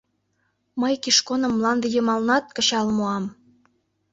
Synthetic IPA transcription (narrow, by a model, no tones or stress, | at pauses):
məjkiʃkonə̆mːlɑnd̪ɤ̆jɤmɑlnɑt̪̚kə̆ɕɑlmoɑm